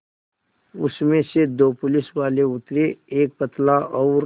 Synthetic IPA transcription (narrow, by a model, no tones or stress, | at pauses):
ʊsmẽsed̪oːpʊlɪswaːleʊt̪ɾeeːk̚pət̪laʔɔʊɾ